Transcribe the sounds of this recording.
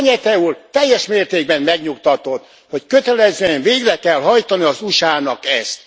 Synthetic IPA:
ɲɛt̪ɛult̪ɛjːɛʃmeːrt̪eːɡ̚bɛmmɛɡɲukt̪ɒt̪o̞t̪ː | ho̞ckøt̪ɛlɛzeːɲveːɡrɛkɛlɦɒjt̪ɒniɒzuʃaːnɒkɛst̪

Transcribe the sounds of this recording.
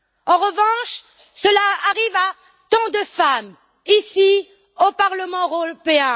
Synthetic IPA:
ɑ̃ʁəvɑ̃ʃ | səlaaʁiva | t̪ɑ̃d̪əfam | isi | opaʁləmɑ̃peɛ̃

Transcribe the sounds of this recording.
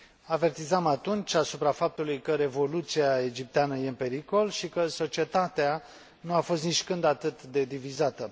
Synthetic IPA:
ave̞rt̪izamat̪unt͡ʃʲasupɾafap̚t̪ulujkəɾe̞vo̞lut̪siaed͡ʒip̚t̪eanəje̞ɨnpe̞ɾiko̞lʃikəso̞t͡ʃie̞t̪at̪ea | nuafo̞st̪nit͡ʃkɨnd̪at̪ɨt̪d̪e̞d̪ivizat̪ə

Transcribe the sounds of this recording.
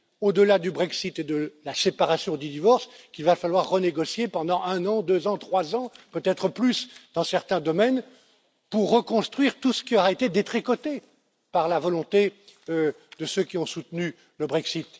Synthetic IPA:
od̪əlad̪ybʁɛksit̪ed̪əlasepaʁasjɔ̃d̪yd̪ivɔʁskʲilvafalwaʁːəneɡɔsjepɑ̃d̪ɑ̃ʔɛ̃nɑ̃d̪øzɑ̃t̪χwazɑ̃pøt̪ɛt̪χəplysd̪̥ɑ̃sɛʁt̪ɛ̃d̪ɔmɛn | puʁːəkɔ̃st̪χɥiʁt̪usə̥kʲiɔʁaet̪ed̪et̪χikɔt̪e | paʁlavɔlɔ̃t̪e | d̪əsøkʲiɔ̃sut̪ny | ləbʁɛksit̪

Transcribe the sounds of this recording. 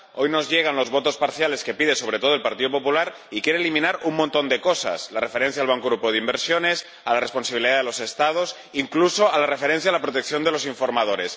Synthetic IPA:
ojno̞zʝeɣ̞anlo̞zβo̞t̪o̞spaɾθjale̞ske̞piðe̞so̞β̞ɾet̪o̞ð̞oelpaɾt̪iðopo̞pulaɾ | ikje̞ɾelimĩnaɾummõnt̪o̞nd̪e̞ko̞sa̰slare̞fe̞ɾe̞n̟θjaːlβaŋkoɣɾupoð̞imbe̞ɾsjo̞ne̞s | alare̞sponsaβiliðaðelose̞st̪að̞o̞s | iŋkluso̞alarefe̞ɾe̞n̟θjaːlapɾot̪ek̚θjo̞nd̪e̞lo̞siɱfo̞ɾmað̞o̞ɾe̞s

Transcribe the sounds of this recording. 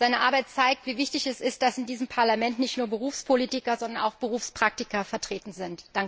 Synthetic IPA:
z̥aɪnəʔa̰ɐbaɪt̚t͡saɪk̚tv̥iːvɪçtɪçɛsɪst̚d̥asɪndiːzəmpʰaɐlamɛntnɪçtnuːɐbəʁ̞uːfspʰoliːtɪkɐzɔndɐna̰ʊxb̥əʁuːfspʁ̥ak̚tɪkɐfɛɐtʁ̥eːtn̩zɪntd̥aŋk

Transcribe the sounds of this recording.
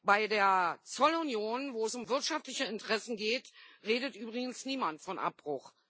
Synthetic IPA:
b̥aɪdeːɐt͡sɔlʊnjoːnvoːɛsʊmvɪɐtʃaftlɪçəɪntəʁɛsn̩ɡeːtʁeːdətʔyːbʁɪɡn̩sniːmantfɔnʔa̰p̚b̥ʁʊx

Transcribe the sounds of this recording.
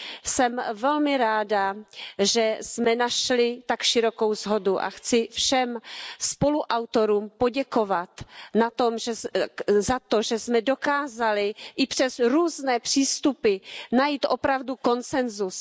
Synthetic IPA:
sɛmvɛlmɪɾaːdaʒɛsmɛnaʃlɪt̪akʃɪɾo̞kowzɦo̞duʔa̰xt͡sɪfʃɛmspo̞luʔawt̪o̞ɾuːmpo̞ɟɛkovat̪nat̪omʒɛzat̪oʒɛsmɛdokaːzalɪʔɪpr̥ɛzɾuːznɛːpr̥iːst̪upɪnajiːt̪ʔopɾavduko̞nt͡sɛnzus

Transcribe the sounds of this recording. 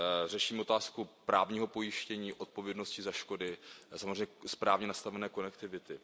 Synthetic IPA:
rɛʃiːmo̞t̪aːskupɾaːvɲiːɦo̞po̞jɪʃcɛɲiːʔo̞t̪̚po̞vjɛdnoscɪzaʃko̞dɪsamzreɛjɲːɛspɾaːvɲɛnast̪avɛnɛːko̞nɛkt̪ɪvɪt̪ɪ

